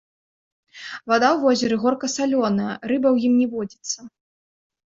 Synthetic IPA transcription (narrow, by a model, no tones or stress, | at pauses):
vad̪awvɔzʲɛɾɨɣɔrkɐsalʲɔnɐjɐrɨbɐwjimnʲɛvɔd͡zʲit̪sːɐ